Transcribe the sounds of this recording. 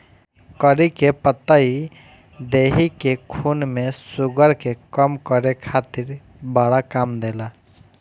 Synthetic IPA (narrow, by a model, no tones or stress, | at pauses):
kəɾikepət̪ːai | d̪eːɦikekʰuːnmẽsʊɡəɾkekəmkəɾekʰaːt̪ɪɾ | baɽakaːmd̪eːla